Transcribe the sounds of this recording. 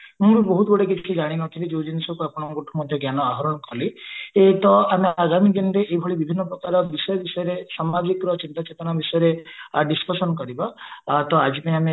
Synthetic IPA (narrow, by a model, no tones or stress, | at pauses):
mũɾibɔɦut̪ɡoɽek̬it͡ʃʰt͡ʃʰid͡ʒaɽ̃inɔt̪ʰilid͡ʒewd͡ʒinisɔkuapɔɽ̃ɔɡoʈʰɔmɔd̪ʱjɔɡjanɔaɦɔɾɔnɔkʰɔliet̪ɔameaɡamid̪inɾeʔeibʱɔɭibibʱinːɔpɾɔkaɾɔbisɔjɔbisɔjɔɾesamad͡ʒikɾɔt͡ʃint̪at͡ʃet̪ɔɽ̃abisɔjɔɾeɖiskɔsɔnkɔɾibat̪ɔad͡ʒipaĩame